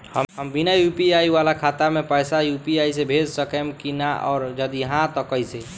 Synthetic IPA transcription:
həəmbinajupiaiwalakʰat̪amepəjsajupiajs̬ebʱed͡ʒsəkəmkinaʔɔ̰ːɾd͡ʒəd̪iɦãt̪əkəjse

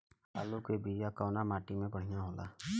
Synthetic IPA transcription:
alukebijakawnamaʈimẽbəɽ̤ijaɦola̰

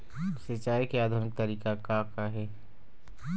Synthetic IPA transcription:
sɪt͡ʃaːikejaːd̪ʱʊnɪk̚t̪əɾiːkakakaɦɛː

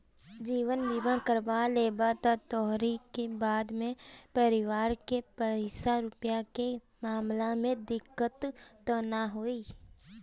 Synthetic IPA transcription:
d͡ʒiːʋənbiːbãkəɾbaleːbat̪at̪ɔːɦɾikebaːd̪mẽpəɾɪʋaːɾkepəsaɾʊpjake | maːmlamẽd̪ɪkːət̪ːənaɦoiː

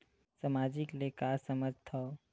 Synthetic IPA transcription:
samaːd͡ʒɪkleːkaːsɐməd͡ʒʱt̪ʰoː

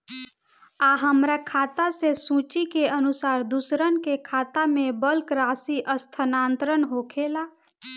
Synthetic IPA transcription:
aɦəmɾakʰaːt̪asesũt͡ʃikeənʊsaːɾd̪usɾənkekʰaːt̪amẽbəlkɾaːsiʔəst̪ʰənaːnt̪ɾənɦoːkʰela

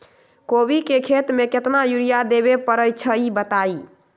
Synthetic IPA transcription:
kobikekʰet̪meket̪najuɾijad̪eβepəɾəjt͡ʃʰəibət̪ai

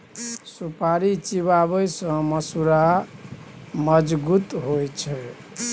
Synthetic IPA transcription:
supaɾit͡ʃiβaβəjsʌ̃mʌsuɾa | məd͡ʒɡut̪ɦojt͡ʃʰə

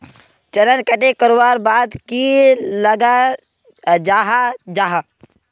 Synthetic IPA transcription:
t͡ʃəɾənkəʈekəɾʋaːɾbaːd̪kiləɡa | d͡ʒaːɦad͡ʒaɦa

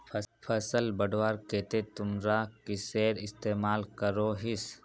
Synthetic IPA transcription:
pʰəsəlbəɖwaːɾkeːt̪et̪ʊmɾakiseːɾɪst̪eːmaːlkəɾoɦɪs

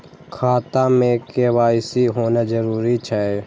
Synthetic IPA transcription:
kʰaːt̪amẽkeʋaːɪsiɦoːnad͡ʒəɾuːɾit͡ʃʰae

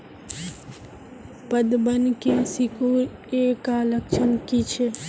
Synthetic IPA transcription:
pəd̪bənkesikoeːkaləkt͡ʃʰənkit͡ʃʰe

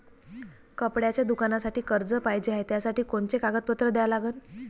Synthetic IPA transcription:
kəpɽjat͡ɕjad̪ukanasaʈiːkəɾd͡zəpajd͡ʑeɦajt̪jasaʈiːkoɳt͡sekaɡət̪̚pət̪ɾəd̪ɛjalaɡəːn

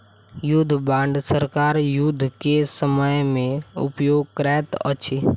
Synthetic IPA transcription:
jʊd̪ʱːbãːɳɖsəɾkaːɾjʊd̪ʱːkesəməjmẽʊ̰pjoːɡ̚kɾɛt̪ə̰t͡ʃʰi

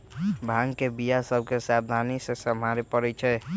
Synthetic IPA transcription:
bʱãŋkebijasəb̚ʱkesab̚d̪ʱanisẽsəmaɾepəɾɛt͡ʃʰɛ

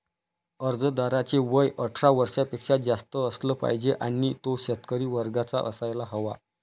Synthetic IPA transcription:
əɾd͡zəd̪aɾat͡ɕeʋəjʔəʈʰɾaʋəɾʂjapekʂad͡zast̪əəsləːpa̰jd͡ʑeʔañiːt̪oɕət̪kəɾiːʋəɾɡat͡sa̰ʔə̰sajlaɦəʋa

